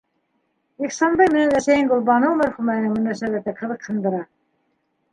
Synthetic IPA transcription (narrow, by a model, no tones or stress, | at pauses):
iχsɑnd̪ɑjmɘ̆nænæʃæjɘŋɡŏlˠbɑnowmæɾχumæjɘnɘŋmɵ̆næsæβæt̪ɘqʰɤ̆ðˠɤqhɤ̆nd̪ɤ̆ɾɑ